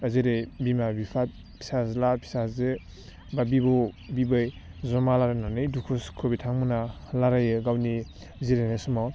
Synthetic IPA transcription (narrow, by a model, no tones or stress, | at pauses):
aziɾejbimabipʰa | pʰi̥sazlapʰi̥sazɯ | babibɔbibɯjzɔmalaɾajnanɯjdukʰuskʰɯbitʰaŋmuna | laɾajɯɡawni | ziɾenesɔmaw